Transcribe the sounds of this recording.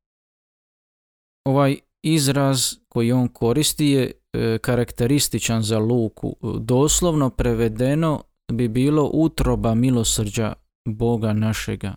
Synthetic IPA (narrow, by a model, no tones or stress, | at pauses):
o̞ʋaːj | izɾazko̞jio̞ːnkʰo̞ɾist̪ije | kaɾakt̪e̞ɾist̪it͡ʃanzaluːkʰṵd̪o̞ːslˠo̞ʋno̞pɾe̞ʋe̞d̪e̞no̞ | bibiːlo̞ʔut̪ɾo̞bamilo̞srd͡ʑa̰ | bo̞ɡanaʃe̞ɡa̰